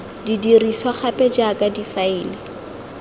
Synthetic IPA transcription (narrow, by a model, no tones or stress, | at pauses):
didiriswaχapʼɛd͡ʒakʼadifaiːlɪ